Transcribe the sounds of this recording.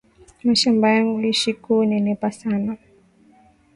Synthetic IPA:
maʃambajaŋɡuliʃikunɛnɛpasana

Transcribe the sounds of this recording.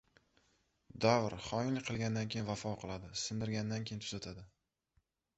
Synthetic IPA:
d̪avɾχɒnlɪqʰɨlˠɡʲand̪ankʲʰejɪnvafɒqʰɨlˠad̪ɪsɪnd̪ɪɾɡʲand̪ankʲʰejɪnt̪ʰʊzat̪ʰad̪ɪ

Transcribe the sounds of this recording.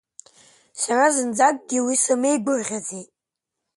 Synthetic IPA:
sarazɨnd͡zak̚ʼɡʲiwisame̞jɡʷɨrʁʲad͡zejtʼ

